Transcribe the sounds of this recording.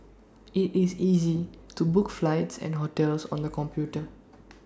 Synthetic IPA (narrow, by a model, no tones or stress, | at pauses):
itizizitubʊkflaɪtsɛ̰̃nɦotɛlsɔ̰̃nd̪əkɔ̃mpʰjutə